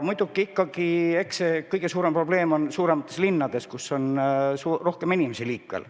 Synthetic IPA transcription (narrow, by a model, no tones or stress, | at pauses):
mujd̪̥ukːˑiikːɑɡieksekɤjɡ̥e̞suːɾe̞mpro̞b̥le̞ːmo̞nsuːɾe̞mɑt̪ːˑe̞slinːɑd̪̥e̞skuso̞nsuro̞hke̞minʲimesiliːkmḛl